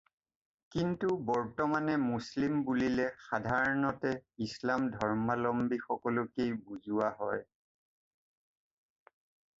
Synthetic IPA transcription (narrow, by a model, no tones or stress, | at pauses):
kintubɔɹtɔmanɛmuslimbulilɛxadʱaɹɔnɔtɛislamdʱɔɹmalɔmbixɔkɔlʊkejbuzʊwaɦɔj